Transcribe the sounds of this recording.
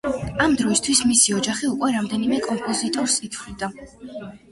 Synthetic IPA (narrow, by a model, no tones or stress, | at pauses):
amd̪ɾɔist̪ʰwismisiɔd͡ʒaχiukʼwɛɾamd̪ɛnimɛkʼɔmpʼɔzit̪ʼɔɾsit̪ʰlid̪a